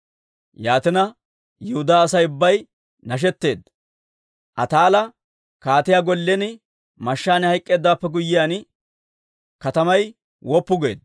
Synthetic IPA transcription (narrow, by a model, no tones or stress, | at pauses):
jaːt̪ɪnɐ | jʊhʊd̪aːɐsɐjʊbːɐj | nɐʃ̬ɛt̪ːe̞ːd̪ːɐ | ʔɐ̰t̪aːlɐ | kaːt̪ɪjaːɡɔlːɛnɪ | mɐʃːaːnɪhɐjkʼːe̞ːd̪ːaːpːɛɡʊjːɪjaːn | kɐt̪ɐmɐj | wɔpːʊɡe̞̰ːd̪